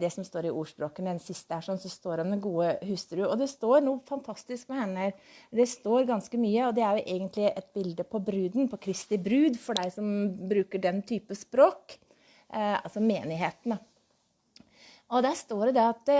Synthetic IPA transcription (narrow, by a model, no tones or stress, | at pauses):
d̪ɛsɔmst̪oːɾɪʔuːʂpɾoːkənəɛnsɪst̪əhæʂɔnsɔst̪oːɾɔmd̪ɛnɡuːəhʉst̪əɾʉɔd̪ɛst̪oːɾnuːfɑnt̪ʰɑst̪ɪskmɛhɛnːəɾd̪ɛst̪oːɾɡɑnskəmyːəɔd̪ɛæɾjʊʔeɡənt̪lɪʔɛt̪bɪld̪əpʰɔbɾʉːd̪npʰɔkʰɾɪst̪ɪbɾʉːd̪fɔɖæɪsɔmbɾʉːkəɖɛnt̪ʰyːpspɾoːk | ɑ̰lsɔmeːnɪɦeːt̪ənə | ɔd̪æʂt̪oːɖɛd̪ɛɑt̪